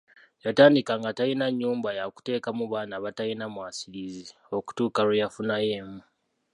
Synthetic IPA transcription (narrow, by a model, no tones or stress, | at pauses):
jataːndikaŋɡatajinaɲːuːmbajaku̥te̞ːkamuβaːnaβatajinamwaːsiɾizi | o̞ku̥tuːkalujafunaje̞ːmu